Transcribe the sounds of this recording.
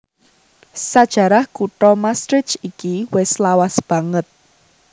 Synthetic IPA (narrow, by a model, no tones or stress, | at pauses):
sad̥ʒ̥ä̤ɾahkuʈɔmast̪ɾɪt͡ʃikiwɪslawasb̥ä̤ŋət̪̚